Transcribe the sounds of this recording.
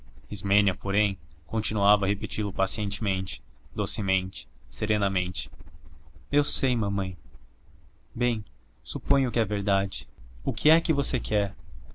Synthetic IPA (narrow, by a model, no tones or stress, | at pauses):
izmẽniɐpoɾẽj̃kõnt͡ʃinuavɐhepet͡ʃilʊpasiẽnt͡ʃɪmẽnt͡ʃɪ̥d̪osɪmẽnt͡ʃɪ̥seɾẽnɐmẽnt͡ʃɪ̥ | ewsejmɐ̃mɐ̃j̃ | bẽj̃ | supõj̃ʊkɪɛveɾd̪ad͡ʒɪʊkɪɛkɪvosekɛɾ